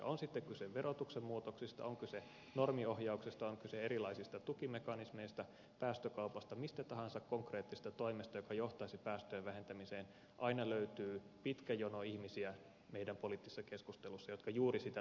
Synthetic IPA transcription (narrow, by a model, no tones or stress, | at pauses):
onsit̪ːekkyseʋʋerot̪uksemmuːt̪oksist̪ɑ̰oŋkyse | normiohjɑuksist̪ɑoŋkyseeɾilɑisist̪ɑt̪ukimekɑnismeist̪ɑ | pæːst̪økɑupɑst̪ɑmist̪æt̪ɑhɑnsɑkkoŋkreːt̪ːise̥st̪ɑt̪oimest̪ɑjokɑjoht̪ɑisipæːst̪øjeʋʋæhent̪æmiseːn | ʔɑinɑløyt̪yː | pit̪kæjonoihmisiæ | meijdæmpolit̪ːisesːɑkeskust̪elusːɑjot̪kɑjuːrisit̪æ